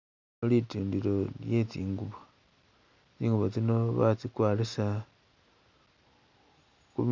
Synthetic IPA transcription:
lituːndilo̞je̞t͡siːŋɡuβa | t͡siːŋɡuβot͡sinoβa̰t͡sikwaːlisa | kum

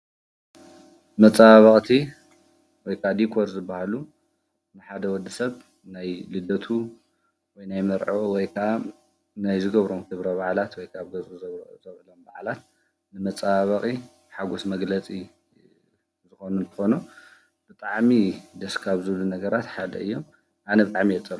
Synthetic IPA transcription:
mɐt͡sʼaβɐχʼt̪ʰi | wɔjkʰʔad̪ikʰoɾzɨbːahalu | nɨħad̪ɐwɔd̪ːɨsɐβ | najlɨd̪ɐt̪ʰu | wɔjnajmɐɾʕoʔwɔjkʰɐʔa | najzɨɡɐβɾomkʰɨβɾɐβaʕlat̪wɔjkʰaβɡɐt͡sʼuzɐβzɐβʕɨlomba̰ʕlat̪̚ | nɨmɐt͡sʼaβɐkʼi | ħaɡosmɐɡlɐt͡sʼi | zɨxonunt̪ʰɨ̥xo̞nu | b̥ɨt̪ʼaʕmid̪ɐskʰaβzɨβlunɐɡɐɾat̪ħad̪ɐ̰ʔɨjːo̞m | ʔanɐbɨt̪ʼaʕmijɛt͡sʼːɐɾu

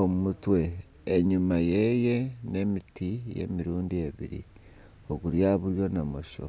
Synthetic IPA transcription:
omumutwe̞ː | ɲumaje̞je̞ne̞mitije̞̰miɾuːndie̞βḭɾḭ | oɡuɾjaβuɾjo̞namo̞ʃo̰

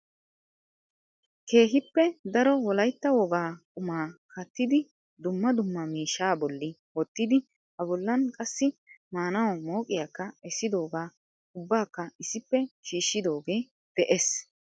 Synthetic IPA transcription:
ke̞ːɦɪpːɛd̪ɐɾɔwɔlɐjt̪ːɐwɔɡaːkʼʊmaːkɐt̪ːɪd̪ɪ | d̪ʊmːɐd̪ʊmːɐmiːʃːaːbɔlːɪ | wɔt̪ːɪd̪ɪ | hɐbɔlːɐnkʼɐsːɪmaːnɐwɔmo̞ːkʼɪjakːɐɛsːɪd̪o̞ːɡaː | ʊbːaːkːɐɪsɪpːɛʃiːʃːɪd̪o̞ːɡe̞ː | d̪̥ɛʔes

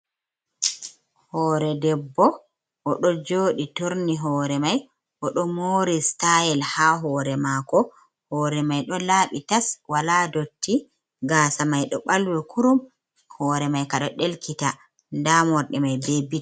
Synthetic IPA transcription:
hɔːɾɛdɛbːɔ | ʔɔɗɔd͡ʒoːɗitoɾniɦɔːɾɛmaj | ʔɔɗɔmoːɾistajɛlhaɦɔːɾɛmakɔ | hɔːɾɛmajɗɔlaːɓitaswaladotʰːi | ɡaːsamajɗɔɓalwɛkuɾum | hɔːɾɛmajkaɗɔɗelkʰita | ndamɔɾɗɛmajbebita

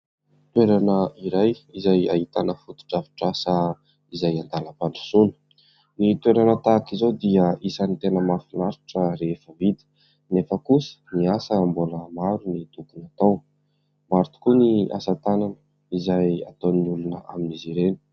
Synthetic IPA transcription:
t̪weɾanəiɾajizaja̰ɦit̪anəfut̪u̥ʈ͡ʂavi̥ʈ͡ʂasa | izajand̪aləpanɖ͡ʐu̥sunə̥ | nit̪weɾanət̪akizod̪iəisanit̪enəmafinaɾu̥ʈ͡ʂəɾefəvid̪ə̥ | nefəkusə̥niasəmbuləmaɾunit̪ukunat̪aw | maɾt̪u̥kunia̰sat̪ananə | izaja̰t̪awniulunəʔa̰miniziɾeni̥

